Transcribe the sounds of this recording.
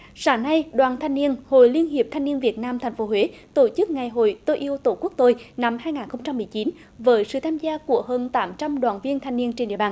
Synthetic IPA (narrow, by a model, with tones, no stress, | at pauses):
saː˧˩ŋna˧jɗwaː˨nt̪ʰa˧jŋ̟ni˧ənho̰˧˨jli˧ənɦi˨˩əp̚t̪ʰa˧jŋ̟ni˧ənvi˨˩ət̚naː˧mt̪ʰɛ˨˩jŋ̟fo˨˦ɦwe˨˦t̪o˧˩t͡ɕɨ˦˥k̚ŋa˨˩jɦo̰˧˨jt̪o˧ʔi˧əwt̪o˧˩ku˦˥ək̚t̪o˧jna˧mhaː˧jŋaː˨˩nxə˧wŋ͡mt͡ɕa˧mːɨ˨˩əjt͡ɕi˨˦n | vəː˨˦jsɨ̰˧˨t̪ʰaː˧mzaː˧ku˧˩əɦəː˧nt̪aː˨˦mt͡ɕa˧mɗwaː˨˩nvi˧ənt̪ʰa˧jŋ̟ni˧ənt͡ɕnɗḭ˧˨əɓaː˧˩n